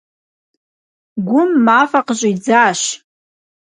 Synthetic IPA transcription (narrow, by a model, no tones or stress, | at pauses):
ɡʷʊmːafaqʼʒʷʼoid͡zaʃ